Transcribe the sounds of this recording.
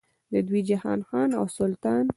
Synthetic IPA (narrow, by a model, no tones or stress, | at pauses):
d̪əd̪wid͡ʒahɑ̰nxɑna̰wsʊlt̪ɑn